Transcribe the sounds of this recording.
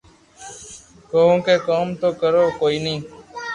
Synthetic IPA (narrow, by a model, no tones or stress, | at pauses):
koːõːkeːkoːmt̪oːkəɾoːkoːiːnĩː